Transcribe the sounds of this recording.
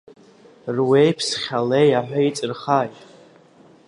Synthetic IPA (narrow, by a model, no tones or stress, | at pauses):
rwejpʰsχʲalejaħʷᶣait͡sʼɨrχajtʼ